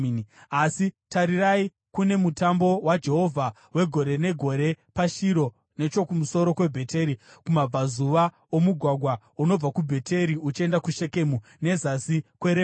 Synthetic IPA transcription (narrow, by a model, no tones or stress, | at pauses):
asitaɾirai | kune̞mutambo̞wad͡ʒe̞ɦo̞vʱa | we̞ɡʱo̞ɾe̞ne̞ɡʱo̞ɾe̞paʃiɾo̞ | ne̞t͡ʃo̞kumuso̞ɾo̞kwe̞bʱe̞te̞ɾikumab͡vazuʋa | omuɡʱwaɡʱwa | uno̞b͡vakubʱe̞tʰe̞ɾiut͡ʃie̞ndakuʃe̞ke̞ːmu | ne̞zasikweɾe